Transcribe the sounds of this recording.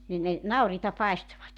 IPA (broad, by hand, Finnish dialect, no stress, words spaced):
nin ne nɑuriːtɑ pɑestoʋɑt